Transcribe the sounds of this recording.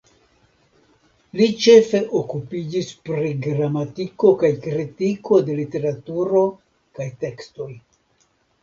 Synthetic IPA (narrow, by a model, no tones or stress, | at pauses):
lit͡ʃe̞fe̞ʔokupid͡ʒispɾiɡɾamatiko̞kajkɾitiko̞de̞lite̞ɾatuɾo̞ | kajte̞ksto̞j